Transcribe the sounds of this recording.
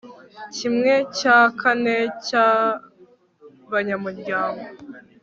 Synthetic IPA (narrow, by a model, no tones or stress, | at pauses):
cimŋe̞cakʰane̞ca | βaɲamuɾɟaːŋɡo